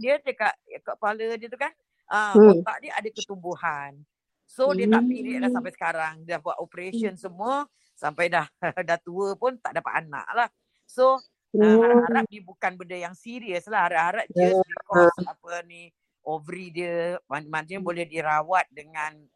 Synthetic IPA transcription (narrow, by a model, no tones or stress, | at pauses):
diəd͡ʒəkaʔkəʔpalədiət̪ukan | ʔət̪aʔdiəʔadakət̪umbuhan | sodiət̪aʔpilɪhlahsampajsə̥kaɾaŋdəahbuat̪opəɾesiənsəmuə | sampajdahədaht̪uəpʊnt̪aʔdapa̰t̪ana̰ʔlah | so | aaɾap̪̚diəbukanbəndəjaŋsiɾiəslahaɾaʔhaɾat̚diəlikɔəapəni | ʔovəɾidiəmamant̪ɲəbolɛhdiɾawat̪̚dəŋan